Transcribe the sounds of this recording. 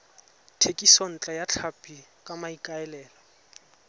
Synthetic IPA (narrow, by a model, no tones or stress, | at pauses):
tʰekʼisɔn̩t͡ɬʼajat͡ɬʰapʼikʼamaikʼaɛlɛːlɔ